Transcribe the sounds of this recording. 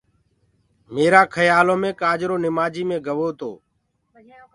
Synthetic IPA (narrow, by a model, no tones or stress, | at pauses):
meːɾaːkʰəjaːlõːmẽːkaːd͡ʒɾoːnɪmaːd͡ʒiːmẽːɡʱəʋoːt̪o̰ː